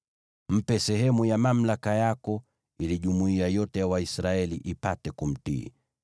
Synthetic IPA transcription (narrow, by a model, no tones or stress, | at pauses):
m̩pɛsɛɦɛmujamam̩lakajakɔ | iliʄumuiajɔtɛjawaisɾaɛliʔipatɛkum̩tḭː